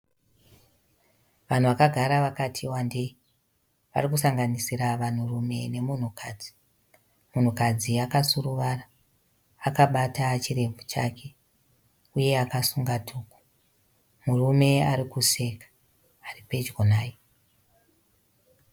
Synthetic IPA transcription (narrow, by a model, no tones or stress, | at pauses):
ʋan̤uʋakaɡʱaɾaʋakatʰiwande | ʋa̰rikusaŋɡanisiɾaʋan̤urume̞ne̞mun̤ukʰad͡zi̥ | mun̤ukad͡ziakasuruʋaraː | kaɓatat͡ʃire̞vʱut͡ʃa̰ke̞ | uje̞akasuŋɡatʰuːku̥ | murume̞aɾikuse̞kḁ | aripe̞d͡ʒɡonaːje